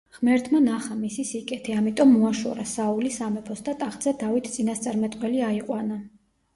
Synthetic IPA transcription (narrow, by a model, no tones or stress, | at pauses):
ʁmɛɾt̪ʰmanaχamisisikʼɛt̪ʰɛamit̪ʼɔmːuaʃɔ̰ɾa̰saulisamɛpʰɔsd̪at̪ʼaχd̪zɛd̪avit̪ʰt̪sʼinast̪sʼaɾmɛt̪ʼqʼwɛliaiqʼwana